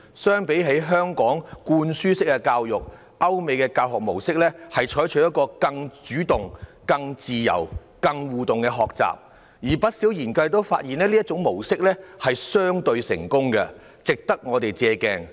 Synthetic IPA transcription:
sœː˥ŋpe˨˥jɦe˨˥jɦœː˥ŋkɔː˨˥ŋkuː˧nsyː˥sɪ˥k̚ːɛ˧kaː˧wjʊ˨k̚ | ʔɐ˥wme˨jkɛː˧kaː˧wɦɔ˨k̚mo˨˩wsɪ˥k̚lɛː˥hɐ˨jt͡ʃʰɔː˨˥jt͡ʃʰɵ˨˥jɐ˥t̚kːɔː˧kɐ˧ŋt͡ʃyː˨˥t̪ʊ˨ŋ | kɐ˧ŋt͡siː˨jɐ̰˨˩w | kɐ˧ŋwuː˨t̪ʊ˨ŋkɛ˧ɦɔː˨k̚t͡sa̰ː˨p̚ | jiː˨˩pɐ˥t̚si˨˥wjiː˨˩nkɐ˧jt̪o˥wfa̰ː˧t̚jiː˨˩nɛː˥liː˥ɐ˥t̚t͡sʊ˨˥ŋmo˨˩wsɪ˥k̚lɛː˥hɐ˨jsœː˥ŋt̪ɵ˧ɥsɪ̰˨˩ŋkʊ˥ŋkɐ̰˧ | t͡sɪ˨k̚t̪ɐ˥k̚ŋɔː˨˧t̪e˨jt͡sɛː˧kɛ̰ː˧ŋ

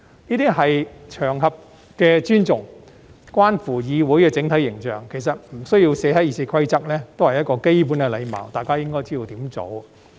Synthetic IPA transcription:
niː˥t̪iː˥ɦɐ˨jt͡ʃʰœː˨˩ŋɦɐ˨p̚ | kɛː˧t͡ʃyː˥nt͡sʊ˨˩ŋ | kwaː˥nfuː˨˩jiː˨˧wu˨˥jkɛː˧t͡sɪ˨˥ŋt̪ʰɐ˨˥jːɪ˨˩ŋt͡ʃœː˨˩ŋkʰe˨˩js̬ɐ˨t̚m̩˨˩sɵ˥ɥji˧wsɛː˨˥hɐ˨˥jiː˧˩t͡sʰiː˧kʰɐ˥jt͡sɐ˥k̚lɛː˥t̪o˥whɐ˨˩jɐ˥t̚kɔː˧ke˥jp̬uː˨˥nkɛ˧lɐ˨˧jmɐ̰ː˨˩wt̪aː˨jkaː˥jɪ˥ŋkɔː˥jt͡si˥d̪o˧wt̪iː˨˥mt͡so̰˨˧˥w

